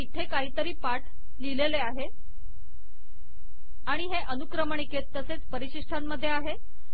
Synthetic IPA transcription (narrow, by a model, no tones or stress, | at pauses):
it̪ʰekaɦiːt̪əɾiːpaʈ | lileleaɦe | aɽ̃iɦeʔənukɾəməɳiket̪ːəset͡spəɾiɕiʂʈʰamːəd̪ʱːjeaɦe